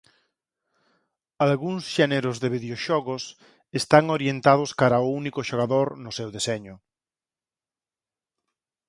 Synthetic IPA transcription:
alɣuŋsʃɛneɾʊzðeβiðeoʃɔɣʊs | est̪aŋoɾjent̪að̞ʊskaɾaʊunikʊʃoɣ̞aðoɾnʊsewðesɛɲʊ

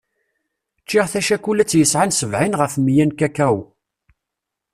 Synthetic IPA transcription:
t͡ʃːiʁθæʃækulæt͡sːjəsʕansəvʕinʁəfmjænkækæw

